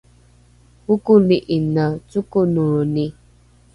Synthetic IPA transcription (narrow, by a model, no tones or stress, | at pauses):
ukuliʔinatukonuɾoni